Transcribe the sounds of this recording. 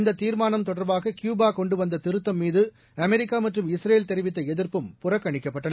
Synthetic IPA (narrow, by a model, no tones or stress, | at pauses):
nd̪ɐt̪ːiːɾmaːnɐmt̪ɔɽɐɾbaːɣɐkjuːbaːkɔɳɖɯʋɐnd̪ɐt̪ɪɾɯt̪ːɐmːiːðɯ | ɐmɛɾɪkːaːmɐʈrɯmɪsɾeːlt̪ɛɾɪʋɪt̪ːɐɛðɪɾpɯmpʊrɐkːɐɳɪkːɐpːɐʈːɐnɐ